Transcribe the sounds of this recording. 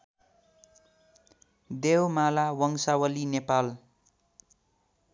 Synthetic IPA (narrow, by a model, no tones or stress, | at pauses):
d̪ewmalawʌŋsawʌlinepal